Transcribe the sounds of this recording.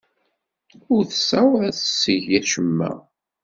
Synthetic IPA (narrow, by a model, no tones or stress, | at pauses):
ʊɾθəsawðæθəsːəʝæʃəmːæ̰